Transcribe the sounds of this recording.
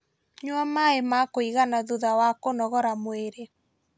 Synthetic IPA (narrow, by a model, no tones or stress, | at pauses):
ɲwamaemakoiɣanaðuðawakonɔɣɔɾamoeɾe